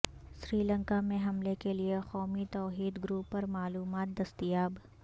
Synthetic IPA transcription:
sɾiːlə̃ŋkamẽɦɐmlekeliexɔːmit̪ɔːɦiːd̪ɡɾuːpːɐɾmaːluːmaːt̪̚d̪ɐst̪ijaːb

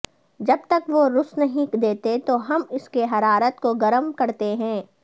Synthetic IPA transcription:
d͡ʒɐbt̪ɐkʋoɾʊsnɐɦĩkd̪eːt̪et̪oɦɐmɪskeɦɐɾaːɾət̪koɡɐɾəmkɐɾt̪eɦɛ̃ː

